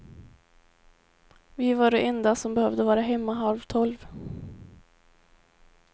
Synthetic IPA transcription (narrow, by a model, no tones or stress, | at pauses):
vɪvaɖɛɛnd̪asɔmbɛhœvd̪əvɑːɾaɦɛmːaɦalvt̪ʰɔlv